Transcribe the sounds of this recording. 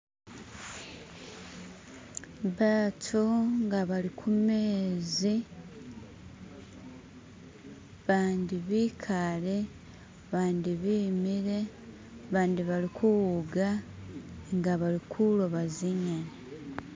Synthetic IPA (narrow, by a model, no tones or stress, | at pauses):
βaːtʰuŋɡaβalikʰumeːzi | βaːndiβiːkʰale | βaːndiβiːmiɾe̞ | βaːndiβalikʰuwuɡa | ŋɡaβaɾikʰuloβaziɲana